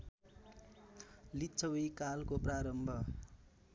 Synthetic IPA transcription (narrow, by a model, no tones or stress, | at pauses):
litːt͡sʰʌwijkalkopraɾʌmbʱʌ